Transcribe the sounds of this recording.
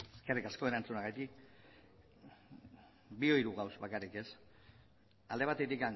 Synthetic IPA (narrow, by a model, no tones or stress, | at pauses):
eskerikasko̞e̞ɾant͡sunaɣajt̪ik | bio̞jɾuɣawsβakarike̞s | ald̪eat̪e̞t̪ikan